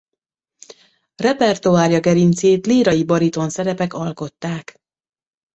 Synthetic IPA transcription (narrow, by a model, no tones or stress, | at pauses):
rɛpɛrt̪uaːrjɒɡɛɾint̪seːt̪liːɾɒjibɒɾit̪o̞nsɛɾɛpɛkɒlko̞t̪ːaːk